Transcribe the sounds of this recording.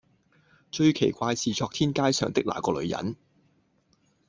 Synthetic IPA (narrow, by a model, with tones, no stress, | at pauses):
t͡ʃɵ˧ɥkʰe˨˩jkʷaː˧jsʰiː˨˧t͡sɔː˧k̚t̪ʰiː˥nkaː˥jsœ̰ː˨˩ŋt̪ɪ˥k̚la̰ː˨˩kɔː˧lɵ̰˨˧ɥjɐ̰˨˧˥n